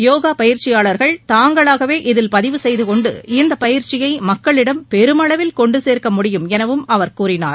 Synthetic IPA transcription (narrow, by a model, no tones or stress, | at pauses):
joːɣaːpɐjɪɾt͡ʃɪjaːɭɐɾɣɐɭt̪aːŋɡɐɭaːɣɐʋeːʔɪðɪlpɐðɪʋɯsɛjðɯkɔɳɖɯ̰ɪnd̪ɐpɐjɪɾt͡ʃɪjɐɪmɐkːɐɭɪɽɐmpɛɾɯmɐɭɐʋɪlkɔɳɖɯseːɾkɐmʊɽɪjɯmɛnɐʋɯmɐʋɐɾkuːrɪnaːɾ